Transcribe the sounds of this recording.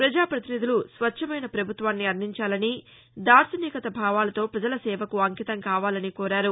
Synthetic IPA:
pɾɐd͡ʒaːpɾɐt̪inid̪ulusʋɐt͡ʃt͡ʃʰːɐmɐjnɐpɾɐbʱut̪ʋaːnːiɐɾniɲt͡ʃaːlɐni | d̪aːɾsɐniːkɐt̪ɐbʱaːʋaːlɐt̪o̞ːpɾɐd͡ʒɐlɐsɛːʋɐkuɐŋkit̪ɐŋkaːʋaːlɐnikɔːɾaːɾu

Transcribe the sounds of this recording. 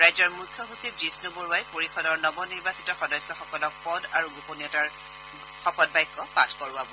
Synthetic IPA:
ɹajzɔɹmukʰːjɔɦusib̚d͡ʒisnuboɹuajpoɹixɔdɔɹnɔbɔniɹbasi̥tɔxɔdɔjsɔxɔkɔlɔk̚pɔdaɹuɡuponiɔtaɹ | xɔpɔt̚bajkːɔpatʰkɔɹʊwabɔ

